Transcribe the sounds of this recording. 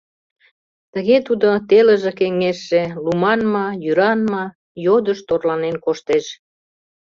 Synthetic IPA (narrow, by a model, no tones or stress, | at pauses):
t̪əɣet̪ud̪ot̪eləʒĕkeŋeʃːelumɑnmɑjyɾɑnmɑ | jod̪əʃt̪orlɑnenkoʃt̪eʃ